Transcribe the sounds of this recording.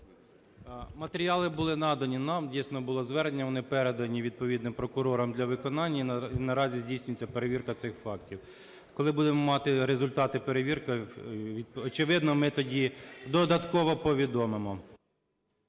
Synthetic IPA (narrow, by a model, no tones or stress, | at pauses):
mɐt̪eɾʲiɑlˠɪbʊlˠɪnɑd̪ɐnʲinɑmdʲijsnɔbʊlˠɔzʋɛɾnnʲːɐʋɔnɪpɛɾed̪ɐnʲiʋʲid̪̚pɔʋʲid̪nɪmpɾɔkʊɾɔɾɔmd̪lʲɐʋɪkɔnɑnʲːnɐɾɑzʲizʲdʲijsʲnʲʊjet͡sʲːɐpeɾeʋʲirkɐt̪sɪxfɑktʲiw | kɔlˠɪbud̪emɔmɑt̪ɪɾezʊlʲt̪ɑt̪ɪpeɾeʋʲirkɐʋʲiɔt͡ʃɪʋɪd̪nɔmɪt̪ɔdʲid̪ɔd̪ɐt̪kɔʋɔpɔʋʲid̪ɔmemɔ